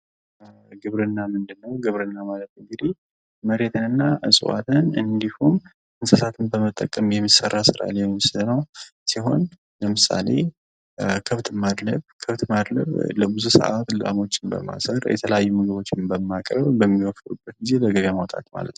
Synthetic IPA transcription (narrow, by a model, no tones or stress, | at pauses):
ɡɨβɾɨnːamɨnd̪ɨnːəwɡɨβɾɨnːamalət̪ɨŋɡɨd̪ih | məɾe̞t̪ʰɨnɨnːaʔɨsʼṵwa̰t̪ʰɨnɨnd̪ihum | ɨnsəsat̪ʰɨnbəmət̪ʼːəkʼːəmjɛmːisərːasɨɾa̰ljɛmisɨznəwsiɦo̞n | ləmɨsa̰le̞̰ | kʰɨβt̪ʰmad̪ləβkʰɨβt̪mad̪lə̰βləbɨzusə̰ʔat̪ləla̰mo̞t͡ʃːɪnbə̰ma̰sərjɛ̰t̪ʰələjajːumɨɡɨβo̞t͡ʃːɪnbəmːakʼɾəβbəmːiwɔft̪ʼṵbːət̪̚ɡize̞ləɡəβamawt̪ʼa̰t̪ma̰lə̰t̪nw